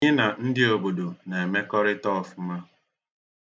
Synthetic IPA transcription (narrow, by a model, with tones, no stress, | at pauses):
ɲe˦na˨n̩˦dɪ˦o˨bo˨do˨ne˨e˨me˦kɔ˦ɾɪ˦tɔ˦˨fma˦